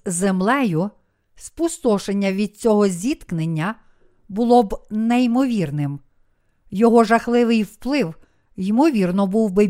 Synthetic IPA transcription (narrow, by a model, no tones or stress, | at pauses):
zemlˠɛjʊ | spust̪ɔʃenʲːɐʋʲid̪̚t͡sʲɔɦɔzʲit̪knenʲːɐ | bʊlˠɔbnejimɔʋʲirnɪm | jɔɦɔʒɐxlˠɪʋɪjwplˠɪw | jimɔʋʲirnɔbuwbɪ